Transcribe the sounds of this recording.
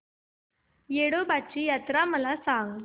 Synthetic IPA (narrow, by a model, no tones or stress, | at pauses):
jeɽobat͡ɕiːjat̪ɾaməlasaŋɡ